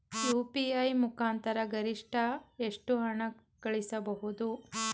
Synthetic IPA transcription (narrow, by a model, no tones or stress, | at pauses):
juːpiɐjmukaːnt̪ɐɾɐɡɐɾiʂʈʰɐeʂʈuɦɐɳɐ | kɐɭisɐbɐɦud̪u